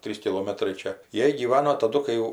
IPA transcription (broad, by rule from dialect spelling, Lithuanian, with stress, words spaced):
ˈtʲrʲiːs kʲɪˈlˠoːmɐtrɐɪ ˈt͡ʃʲɛ ˈjiɛ ɡʲiːˈʋɑːnoː tɐˈdʊ kɐɪ ˈjɛʊ